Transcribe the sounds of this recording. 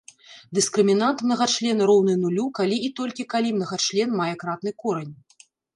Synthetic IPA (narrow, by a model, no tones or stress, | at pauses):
d̪ɨskɾɨmʲinant̪mnɐɣat͡ʂlʲɛnɐɾɔwnɨnulʲukalʲiːt̪ɔlʲkʲikalʲimnɐɣat͡ʂlʲɛnmajɛkɾat̪nɨkɔɾɛnʲ